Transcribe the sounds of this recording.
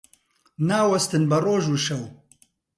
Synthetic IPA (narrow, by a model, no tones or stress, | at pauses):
naːwɐst̪ɨnbɐroːʒuːʃɐw